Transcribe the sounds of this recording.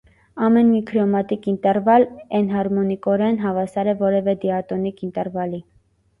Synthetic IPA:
ɑmɛnmikʰɾɔmɑt̪ikint̪ɛɾvɑlɛnɦɑɾmɔnikɔɾɛnɦɑvɑsɑɾɛvɔɾɛvɛd̪iɑt̪ɔnikint̪ɛɾvɑli

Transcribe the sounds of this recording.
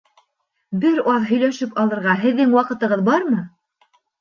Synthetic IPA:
bɘɾɑðɦɵ̆jlæʃɘpɑlˠɤ̆ɾʁɑɦɘ̆ðːɘŋwɑqɤ̆t̪ɤ̆ʁɤðbɑɾmɤ

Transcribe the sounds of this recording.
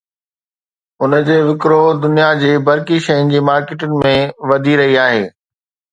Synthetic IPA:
ʊnə̆d͡ʑeːʋɪkɾod̪ʊnijad͡ʑeːbɐɾkiʃɐjənɪ̆d͡ʑiːmaːɾkeːʈʊnɪ̆mẽʋɐd̪ʱiɾɐɦiaːɦeː

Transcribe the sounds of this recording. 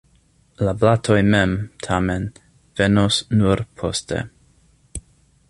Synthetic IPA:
lablatʰojmemtʰamen | v̥enosnuɾpʰo̰stḛ

